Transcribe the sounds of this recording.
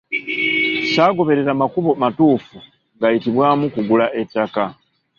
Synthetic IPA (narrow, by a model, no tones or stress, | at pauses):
saːɡo̞βe̞ɾe̞ɾamakuβo̞matuːfu | ŋɡajitiβwaːmukuɡulaʔe̞tːaka